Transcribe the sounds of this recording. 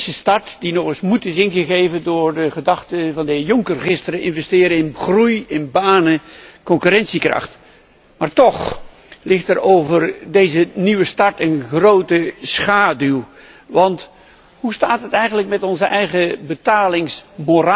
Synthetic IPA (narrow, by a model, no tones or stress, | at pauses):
səstɑɹtd̥inɔχɪsmutɪsɪnχəχejvəndʊːɹdəχədɑχtəvɑndəɦɪːɹjɔŋkərχɪstərəʔɪnvɛstɪːɾəɪnχrujɪnbaːnəkɔŋkyɾɛnsikrɑ̰χt | maːɹtɔχ | lɪχtəɹowvərdejzəniʋəstɑɹtənχrowtəsχaːdylˠ | ʋɑnt | ɦustaːtɦətɛjχənləkmɛtɔnzəʔɛjχəbətaːlɪŋsmora